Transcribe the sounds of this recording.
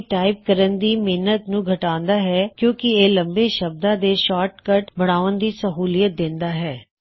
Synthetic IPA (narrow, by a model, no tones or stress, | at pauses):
ʈaːɪp̚kəɾənd̪iːmeːnət̪nũːɡʱəʈaːnd̪aːɦɛːkjõːkɪeːləmbeːʃəb̚d̪ãːd̪eːʃaːɾʈkəʈbəɽ̃aːənd̪iːsəɦuːlijət̪̚d̪ɪnd̪aːɦɛː